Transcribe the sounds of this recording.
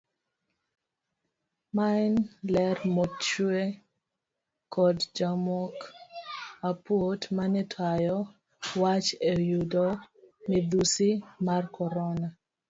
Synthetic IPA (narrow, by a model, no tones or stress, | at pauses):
maɪnlɛrmɔt͡ʃue | kʰɔdd͡ʒamɔk | apotmanɪtʰajɔ | wat͡ʃejudɔmɪd̪usimarkɔɾɔna